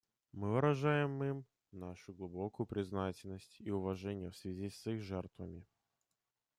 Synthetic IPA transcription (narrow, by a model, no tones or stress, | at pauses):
mɨvɨɾɐʐajɪmim | naʂʊɡlˠʊbokʊjʊpɾʲɪznatʲɪlʲnəsʲtʲiʊvɐʐɛnʲɪjəfsvʲɪzʲisixʐɛrt̪vəmʲɪ